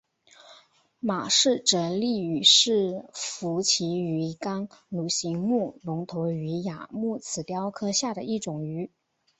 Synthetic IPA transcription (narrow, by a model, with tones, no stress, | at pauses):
ma˨˩ʂɻ̩˥˩ʈ͡ʂɤ˧˥li˥˩y˨˩ʂɻ̩˥˩fu˧˥t͡ɕʰi˧˥y˧˥kɑ˥ŋlu˧˥ɕi˧˥ŋmu˥˩nʊ˧˥ŋt̪ʰo˧˥ʊy˧˥ja˨˩mu˥˩t͡sʰɹ̩˨˩t̪jɑ˥ʊkʰɤ˥ɕja˥˩d̪ə˩i˥˩ʈ͡ʂʊ˨˩ŋy˧˥